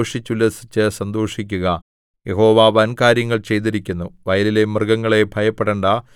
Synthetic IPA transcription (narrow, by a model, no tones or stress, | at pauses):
ʂit͡ɕːulːɐsit͡ɕːɨsɐnd̪o̞ːʂikʲːuɣɐ | jeɦo̞ːʋaːʋɐnkaːɾjɐŋːɐɭt͡ɕe̞jt̪̬iɾikʲːunːuʋɐjɐlilemrɡɐŋːɐɭe̞bʱɐjɐpːeɽeɳɖa